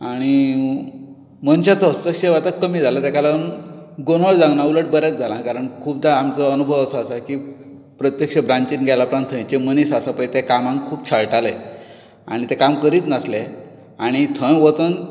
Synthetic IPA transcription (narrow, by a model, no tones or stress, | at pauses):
aɽ̃i | mənɕjat͡səəst̪əkɕeʋat̪əkːəmiːd͡zʱalat̪ekalanɡonəɭd͡zãŋɡnauləʈ̚bəɾat͡s̚d͡zʱalãkaɾəɳkʰuːb̚d̪aamt͡səənubʱəʋəsəːsaki | pɾət̪jəkʂəbɾãɲt͡ɕiːnɡʱalapɾant̪ʰːə̃jt͡ɕemənisasapəjt̪ekamãŋkʰuːpt͡ɕʰaɭʈale | a̰ɽ̃it̪ekamkəɾiːt̪nasle | aɽ̃it̪ʰə̃jʋət͡s̪ən